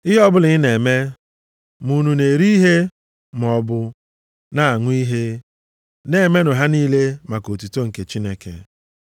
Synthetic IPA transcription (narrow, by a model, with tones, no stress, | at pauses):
ɪ˦ɦɔ˦bʊ˦lɪ˨ɣɪ˦ne˨me˦ | mu˨nu˨ne˨ɾi˦ɦe˦ | m˨ɔ˨bʊ˦ | na˦˨a˨ŋʷ˦i˦ɦe˦ | ne˨me˦nʊ˨ɦa˦niː˦le˦ma˨ko˨tu˨to˦ŋ̩˨ke˨t͡ʃi˦ne˦kḛ˨